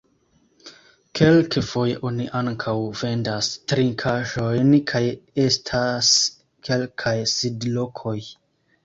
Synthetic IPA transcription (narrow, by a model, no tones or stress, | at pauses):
kʰe̞lkʰefo̞jeʔo̞niʔaŋkʰawve̞ndastɾiŋkʰaʒo̞jnkʰaje̞stʰas | ke̞lkʰajsidlo̞kʰo̞j